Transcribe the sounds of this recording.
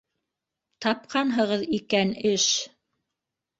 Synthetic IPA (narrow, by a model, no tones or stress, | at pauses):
t̪ɑp̚qɑnɦɤ̆ʁɤðikænɘʃ